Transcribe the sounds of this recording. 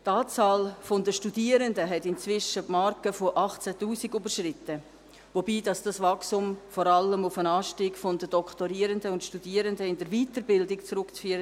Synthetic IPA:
tɑːt͡sɑːlfondəʃtudiːəɾəndəɦɛtɪnt͡svɪʃəpmɑɾkəfoʔɑχt͡sætuːsiɡybəɾʃrɪtə | vobiːdɑsd̥ɑsvɑksʊmfɔɾɑləmʊfənɑːʃtiːɡfɔndəd̥ɔkʰtoɾiːəɾəndəʊntʃtudiːəɾəndəɪndəɾviːtəɾbɪldɪkt͡sɾʊkt͡sfyːəɾə

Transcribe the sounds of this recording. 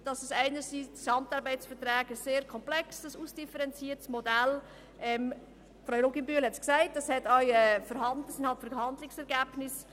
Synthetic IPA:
d̥ɑsəsæɪnəɾsiːdsɑmtɑɾbæɪt͡sfəɾtɾɛːɡəseːɾkʰɔmplɛksəsuːsd̥ifəɾɛnt͡siːətsmɔdæl | ʔɛm | fɾɔʊɾoɡimbyəlhɛtsksæɪt̚d̥ɑshɛtœʏɛfəɾhɑndəsɪnhɑlpfəɾhɑndlɪksɛɾʁɡæːb̥nɪs

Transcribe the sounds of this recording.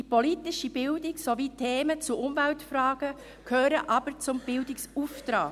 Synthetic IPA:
ipolitɪʃib̥ɪldɪksovitʰeːmət͡sʊʔʊmvæltfɾaːɡ̥ə | kʰøːɾəʔɑb̥əɾt͡sʊmb̥ɪldɪksuft̪ɾaː

